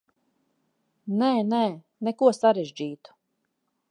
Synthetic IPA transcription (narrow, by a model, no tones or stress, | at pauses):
nɛːnɛː | nɛkuɔsaɾeʒd͡ʑiːt̪u̥